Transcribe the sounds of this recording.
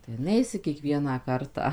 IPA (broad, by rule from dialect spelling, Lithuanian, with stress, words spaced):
tɐɪ ˈnʲɛɪsʲɪ kʲiɛˈkʋʲiɛnɑː ˈkɐrtɑː